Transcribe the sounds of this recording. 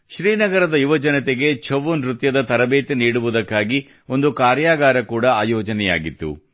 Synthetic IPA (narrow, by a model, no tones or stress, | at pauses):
ʃɾiːnɐɡɐɾɐd̪ɐjuʋɐd͡ʒɐnɐt̪eɡe̞t͡ʃʰɐʋːunɾut̪jɐd̪ɐt̪ɐɾɐbeːt̪eniːɽuʋud̪ɐkːaːɡi | o̞nd̪ukaːɾjaːɡaːɾɐkuːɽɐaːjɔːd͡ʒɐnɛja̰ːɡit̪ːṵ